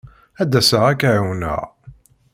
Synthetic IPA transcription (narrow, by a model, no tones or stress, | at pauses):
æd̪ːæsəʁækʕawnə̰ʁ